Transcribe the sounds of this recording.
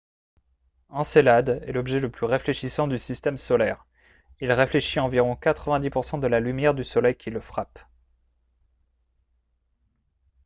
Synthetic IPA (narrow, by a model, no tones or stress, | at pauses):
ɑ̃selad̪ɛ̰lɔbʒɛləplyʁefleʃisɑ̃d̪ysist̪ɛmsɔlɛʁ | ilʁefleʃiɑ̃viʁɔ̃kat̪χəvɛ̃d̪ipuʁsɑ̃d̪əlalymjɛʁd̪ysɔlɛjkʲiləfχap